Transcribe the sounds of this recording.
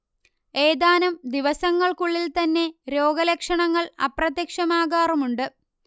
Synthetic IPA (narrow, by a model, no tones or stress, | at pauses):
e̞ːd̪aːnɐmd̪iʋɐsɐŋːɐɭkuɭːilt̪ɐnːe̞ɾo̞ːɡɐlɐkʂɐɳɐŋːɐɭɐ̰prɐt̪jɐkʂɐmaːɣaːrumuɳɖɨ